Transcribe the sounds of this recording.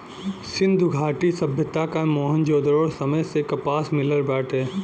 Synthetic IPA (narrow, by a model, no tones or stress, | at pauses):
sɪ̃nd̪ʱʊɡʱaːʈisɐbʱjət̪akamɔːɦənd͡ʒoːd̪ɾoːɽsɐməjsekɐpaːsmɪləɾbɛːʈʰeː